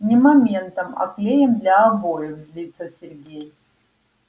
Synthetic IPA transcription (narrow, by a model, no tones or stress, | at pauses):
nʲimamʲe̞nt̪ɐma̰plʲe̞jemd̪lʲaːbo̞jɛvzʲlʲit͡sʰɐsʲerɡʲe̞j